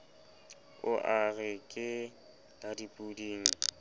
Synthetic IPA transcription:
ʊʔaɣɛkʼɪ | ladipʼudiːŋ̩

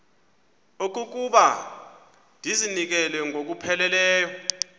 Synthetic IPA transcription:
ok̬ʼuk̬uɓa | ndʱizinik̬ɛlɛŋʱok̬upʰɛlɛlɛːjɔ

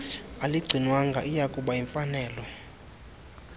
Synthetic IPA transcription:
aliɡ͡ǀʱinwaŋɡʱa̰ʔijakʼuɓaiɱfanɛːlɔ

